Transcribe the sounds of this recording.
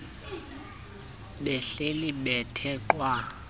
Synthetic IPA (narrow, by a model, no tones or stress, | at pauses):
ɓɛɬeliɓɛtʰɛǃwa